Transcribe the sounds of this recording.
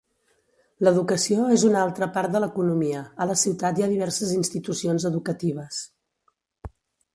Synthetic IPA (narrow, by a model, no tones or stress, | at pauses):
ləðukəsioezunalˠt̪ɾəpaɾt̪̚d̪ələkunumiəələsiwt̪at̪iaðiβ̞ɛɾsəzinst̪it̪usionzəðukət̪iβ̞əs